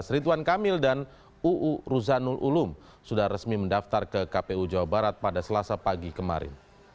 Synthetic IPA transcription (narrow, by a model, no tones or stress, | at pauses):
sɾit̪̬uwankamɪldan | uʔuɾuzanulʔulʊm | sudahrəsmiməndaft̪arkəkapeud͡ʒawabaɾat̪̚padasəlasapaɡikəma̰ɾɪ̰n